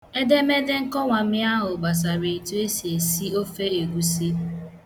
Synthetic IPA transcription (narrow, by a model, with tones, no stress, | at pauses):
e˦de˦me˦de˦ŋ̩˦kɔ˦ŋʷa˨m̩˦mɪ˦a˦ɦʊ˨ɡ͡ba˨s̬a˨ɾe˨tu˦e˦si˨e˨si˦o˦fe˦e˨ɡʷu˦si˦